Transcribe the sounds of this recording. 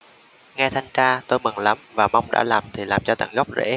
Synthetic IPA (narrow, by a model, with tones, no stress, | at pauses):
ŋɛ˧t̪ʰa˧jŋt͡ɕaː˧t̪o˧jmɨ˨˩ŋla˨˦mvaː˨˩ma˧wŋ͡mɗa̰ː˧˥laː˨˩mt̪ʰi˨˩laː˨˩mt͡ɕɔ˧t̪a̰˧˩ŋɣɔ˦˥wk͡p̚zḛ˧˥